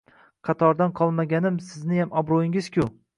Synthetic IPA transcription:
qʰɑt̪ʰɒɾd̪anqʰɒlˠmaɡʲanɪmsɪznɪjamɒbɾojɪŋɪz̥kʲʰʊ

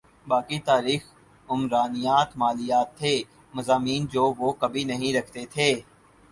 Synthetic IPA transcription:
baːkit̪aːɾiːx | ʊmɾaːnɪjaːt̪maːlɪjaːt̪ʰːeː | mɐzaːmiːnd͡ʒoːʋoːkɐbʱinɐɦĩɾɐkʰt̪et̪ʰeː

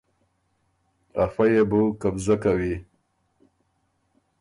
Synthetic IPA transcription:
afajebukabzakawi

